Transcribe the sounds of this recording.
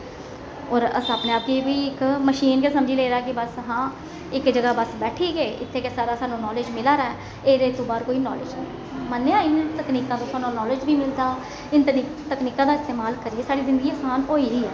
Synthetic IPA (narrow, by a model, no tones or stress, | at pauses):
ɔːɾəsaːpneːaːp̚kiːʋiːɪkməʃiːnkesəmd͡ʒiːleːɾaːkɪbəsɦãː | ɪkd͡ʒəɡaːbəsbɛːʈʰiːɡeːʔɪ̰t̪ʰːeːkesaːɾaːsaːnũːnɔːlɪd͡ʒmɪlaːɾaɛ | eːɾeːt̪õːbaːɾkoːiːnɔːlɪd͡ʒnei | mənːeãːɪnt̪əkniːkãːt̪õːsaːnũnɔːlɪd͡ʒʋiːmɪld̪aː | ɪnt̪nit̪əkniːkãːd̪aːɪst̪eːmaːlkəɾieːsaːɽiːzɪ̃nd̪əɡiːəsaːnɦoːiːɾiːɛː